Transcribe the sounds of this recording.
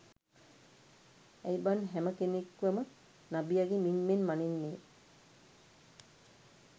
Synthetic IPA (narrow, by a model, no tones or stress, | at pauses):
ɛjbanɦɛməkenekːuəmə | nabiaɡiminmenmaninːeː